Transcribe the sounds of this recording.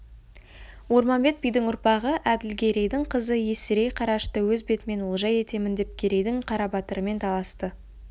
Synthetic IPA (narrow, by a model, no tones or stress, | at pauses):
wo̞ɾmɑnbe̞t̪̚bijd̪ɪŋʊɾpɑʁəʔæd̪ɪlɡʲʰe̞ɾe̞jd̪ɪɴqʰəzəje̞sɪɾe̞jqʰɑɾɑʃt̪əwɵzbe̞t̪ɪme̞nwolˠʒɑje̞t̪e̞mɪnd̪e̞p̚kʲʰe̞ɾe̞jd̪ɪŋqʰɑɾɑbɑt̪əɾəme̞nt̪ʰɑlˠɑst̪ə